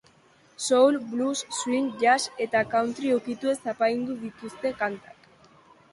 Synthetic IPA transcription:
so̞wlblusːwiŋʝase̞t̪akawnt̪ɾiewkit̪ue̞sapajnd̪uðit̪ust̪e̞kant̪ḁk

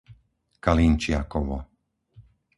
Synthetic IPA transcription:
kalint͡ʃɪakɔʋɔ̰

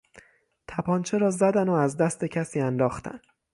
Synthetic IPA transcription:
t̪ʰæpʰɒnt͡ʃʰe̞ɾɒːzæd̪ænoæzd̪æst̪e̞cʰæsiːænd̪ɒːxt̪ʰæ̰n

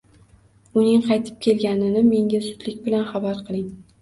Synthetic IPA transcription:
ʊnɪŋqʰɑjt̪ʰɪ̥p̚kʲʰe̞lɡʲanɪnɪme̞ŋɡʲazʊt̪lɪkʲbɪlanχabaɾqʰɨlˠɪŋ

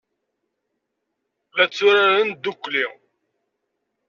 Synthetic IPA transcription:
ðæt͡sːʊɾaɾənd̪ukːli

